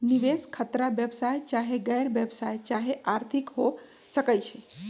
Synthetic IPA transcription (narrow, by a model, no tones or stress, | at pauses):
niʋeskʰət̪ɾabjəbsajt͡ʃaɦeɡəjɾbjəbsajt͡ʃaɦeʔaɾt̪ʰikɦo | səkəjt͡ʃʰɛ